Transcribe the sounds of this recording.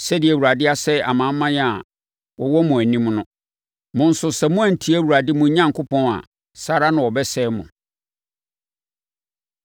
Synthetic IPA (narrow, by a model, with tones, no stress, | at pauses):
sɛ˦dɪ˨ɛ˨wu˨ɾa˨dɪ˦a˦sɛ˦a˨mã˨˦mːã˦ja˨ | wɔ˨wɔ˦mʊ̃˨æ˨nĩ˦mnʊ̃˦ | mʊ̃˨n̩˦sʊ˨sɛ˨mʊ̃˦æ˨n̩˨tʰi˦æ˦˨wu˨ɾa˨dɪ˦mʊ̃˨˦ɲã˦ŋkʰʊ˦pʰɔ̃˦na̰˨ | sa˦ɾa˦nʊ̃˨wɔ˨bɛ˦sɛ˦mʊ̰̃˨